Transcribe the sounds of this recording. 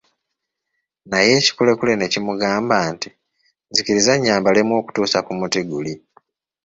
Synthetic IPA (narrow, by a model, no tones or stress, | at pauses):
naje̞ːci̥kule̞kulene̞cimuɡaːmbaːnti | nziciɾizaɲːaːmbalemwo̞ːku̥tuːsakumutiɡuli